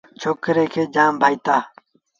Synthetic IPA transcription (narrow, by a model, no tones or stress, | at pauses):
t͡ʃʰoːkɾeːkʰeːd͡ʒaːmbʱaːit̪aː